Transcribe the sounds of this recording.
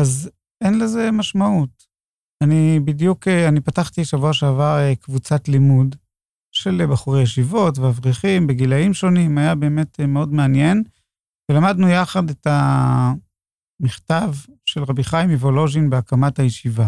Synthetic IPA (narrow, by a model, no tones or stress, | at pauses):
az | enleze̞maʃmaut | anibidjukeanipataχt̪iʃavuaʃeavaʁekvut͡satlimud | ʃe̞lbaχuʁejeʃivo̞tveavʁiχimbeɡilaimʃo̞nimajabe̞ːme̞tmeo̞dmeanje̞n | velamadnujaχadeta | miχtavʃe̞lʁabiχajimevolo̞ʒimbeakamathajeʃiva